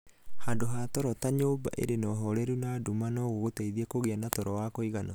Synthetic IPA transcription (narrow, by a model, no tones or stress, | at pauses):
handoɦaːtɔɾɔtaɲoːba̰ʔḛɾenɔɦɔɾɛɾunaːdumanɔɣoɣotɛiðiɛkoɣeanatɔɾɔwakoiɣanɔ